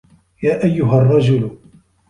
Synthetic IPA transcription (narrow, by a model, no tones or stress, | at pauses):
jaːʔajːʊɦarˤːɑd͡ʒʊl